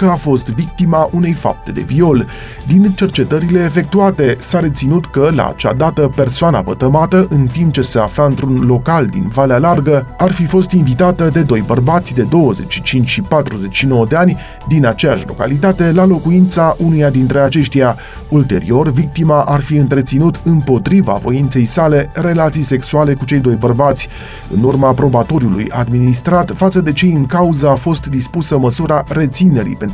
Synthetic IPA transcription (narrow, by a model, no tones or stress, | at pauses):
kəafo̞st̪vik̚t̪imaʔune̞jfa̰p̚t̪e̞d̪e̞̰vio̞l | d̪int͡ʃe̞rt͡ʃe̞t̪əɾile̞ːfe̞k̚t̪uat̪e̞saɾe̞t̪sinut̪kəla̰a̰t͡ʃa̰d̪at̪əpe̞rsoana̰bət̪əmat̪əʔɨnt̪imp̚t͡ʃe̞se̞aflaɨnt̪ɾunlo̞kald̪ḭnvalealarɡəarfifo̞st̪invit̪at̪əd̪e̞d̪o̞jbərbat̪sʲd̪e̞d̪o̞wəze̞̰t͡ʃʲʃit͡ʃint͡ʃʃipat̪ɾuze̞t͡ʃʃino̞wəd̪e̞anʲ | d̪inat͡ʃejaʃlo̞̰ka̰lit̪at̪e̞lalo̞kuint̪saʔunujad̪int̪ɾe̞at͡ʃe̞ʃt̪ija | ult̪e̞̰ɾḭo̞rvik̚t̪imaʔarfiɨnt̪ɾe̞t̪sinut̪ɨmpo̞t̪ɾiva̰vo̞̰int̪se̞jsale̞re̞lat̪sijse̞ksuale̞kut͡ʃe̞jd̪o̞jbərbat̪sʲ | ɨ̰nurmapɾo̞bat̪o̞ɾʲjulṵja̰d̪minist̪ɾat̪fat̪səd̪e̞t͡ʃeɨŋkauzəafo̞st̪d̪ispusəməsuɾaɾe̞t̪sine̞ɾḭpen